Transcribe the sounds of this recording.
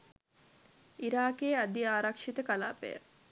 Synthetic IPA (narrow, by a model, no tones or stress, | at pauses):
iɾaːkeːad̪iaːɾakʂit̪əkala̰ːpḛjə̰